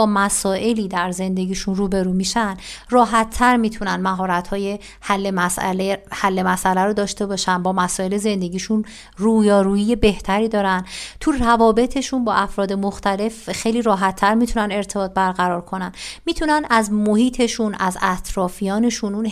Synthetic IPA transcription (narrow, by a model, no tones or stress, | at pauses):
ɒːmæsɒːʔe̞liːd̪æɾze̞nd̪e̞ɟiːʃunruːbe̞ɾuːmiʃænrɒːɦæt̪ʰːæɾmiːt̪ʰunænmæɦɒːɾæt̪hɒːje̞ | hælːemæsæ̰lehælːe̞mæsʔælæɾod̪ɒːʃt̪e̞bɒːʃænbɒːmæsɒːe̞leze̞nd̪e̞ɟiːʃun | ruːjɒːɾuːjije̞be̞ht̪ʰæɾiːd̪ɒːɾænt̪ʰurævɒːbe̞t̪ʰe̞ʃunbɒ̰ːʔæfɾɒːd̪e̞mo̞xt̪ʰæle̞fxejliːɾɒːɦæt̪ʰːæɾmit̪ʰunæne̞ɾt̪ʰe̞bɒːt̪̚bæɾɣæɾɒːɾkʰo̞nænmiːt̪ʰunænæzmo̞hiːt̪ʰe̞ʃunʔæzæt̪ʰɾɒːfijɒːne̞ʃunun